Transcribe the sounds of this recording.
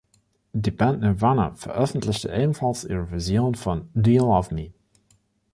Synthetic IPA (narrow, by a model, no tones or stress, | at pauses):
dibɛntnəvanə̰fə̰ʔœfn̩tlɪçtəʔeːbn̩fɑlsḭːʁəvizjoːnfɔndiːlˠɔfmiː